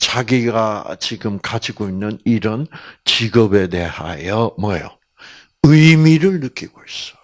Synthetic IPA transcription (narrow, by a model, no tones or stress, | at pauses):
t͡ɕaɡiɡat͡ɕiɡɯmkad͡ʑiɡoinːɯniɾʌnt͡ɕiɡʌbe̞de̞ha̰jʌmʌjʌ̰ | ɯjmiɾɯɭnɯk͈iɡ̥ois͈ʌ̥